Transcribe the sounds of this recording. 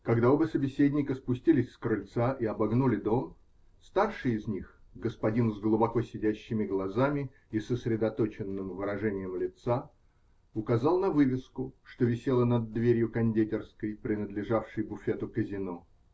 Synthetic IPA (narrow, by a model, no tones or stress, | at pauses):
kɐɡd̪aobəsəbʲɪsʲedʲnʲɪkəspʊsʲtʲilʲɪsʲskɾɨlʲt̪saʔiɐbɐɡnulʲɪd̪o̞m | st̪arʂɨɪzʲnʲixɡəspɐdʲinzɡlˠʊbɐkosʲɪdʲæɕːɪmʲɪɡlˠɐzamʲɪ | isəsɾʲɪd̪ɐt̪o̞t͡ɕɪnːɨmvɨɾɐʐɛnʲɪjəmlʲɪt̪sa | ʊkɐzɑlˠnɐvɨvʲɪskʊʂt̪o̞vʲɪsʲelˠənɐd̪ːvʲeɾʲjʊkɐnʲdʲetʲɪrskəjpɾʲɪnəd̪lʲɪʐafʂɨjbʊfʲe̞t̪ʊkəzʲɪno̞